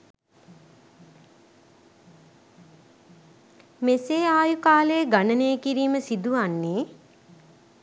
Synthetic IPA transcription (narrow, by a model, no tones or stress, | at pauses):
meseːaːjukaːlejɡanənejəkiɾiːməsid̪uʋanːeː